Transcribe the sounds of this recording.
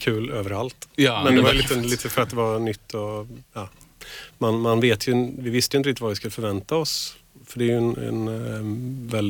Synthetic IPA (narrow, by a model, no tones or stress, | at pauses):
kʰʉ̟ːløːvəɾalt̪ːmɛnd̪ɛvajəliːt̪əliːt̪əfœɾat̪̚d̪ɛvanʏt̪ːɔjɑː | manmanveːt̪ʰjɵvɪvɪst̪əjɪnəɾɪkt̪ɪt̪vavɪskɵlːəfœɾvɛnt̪aɔsfœɖɛjɵɛnɛ̰n | vɛld̪